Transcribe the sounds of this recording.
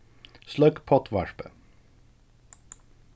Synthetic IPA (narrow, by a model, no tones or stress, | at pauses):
slœkpʰɔt̪ʰʋɑʃpə̰